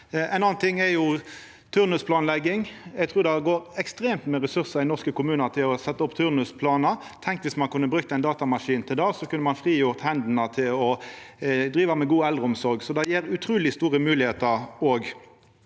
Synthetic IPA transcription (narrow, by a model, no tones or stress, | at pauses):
æɪnɑːɑnt̪ʰɪŋːɛjʊ | t̪ʰʉʁnʉspʰlɑːnlɛɡːɪŋɛɡt̪ʰʁʉːʁd̪ɛɡoːɾɛkst̪ɾeːmt̪meːʁɛsʉʁsəɪnɔʁskəkʊmʉːnɑt̪ʰɪlɔsɛt̪ːəʊpt̪ʰʉːʁnʉspʰlɑːnə | t̪ʰɛŋk̪ʋɪsmɑnkʉnːəbɾʉkt̪əæɪnd̪ɑːt̪ɑmɑʂiːnt̪ʰɪld̪ɑːsɔkʰʉnːəmɑnfʁiːjʊʁt̪hɛnd̪n̩ət̪ʰɪlɔ | d̪ɾiːʋɑmɛɡuːɛld̪ʁəʊmsɔɾɡsɔd̪ɑjiːɾʉt̪ʰɾʉːlɪst̪uːʁəmʉːlɪheːt̪əɾoːɡ